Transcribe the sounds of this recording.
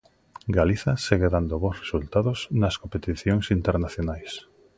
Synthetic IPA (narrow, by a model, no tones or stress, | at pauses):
ɡaliθɐseɣeðand̪oβosresult̪aðosnɐskompet̪iθjoŋsint̪eɾnaθjonajs